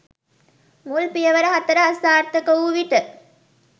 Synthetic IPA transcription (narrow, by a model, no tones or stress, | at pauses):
mulpijɐʋɐɾɐɦɐt̪ːɐɾɐɦɐst̪aːɾt̪ɐkouʋiʈə